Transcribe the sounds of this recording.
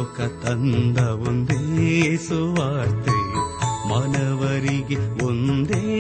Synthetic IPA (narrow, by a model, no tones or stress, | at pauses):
kɐt̪ɐnd̪ɐond̪esuʋaːɾt̪elumɐnɐʋɐɾiɡeond̪e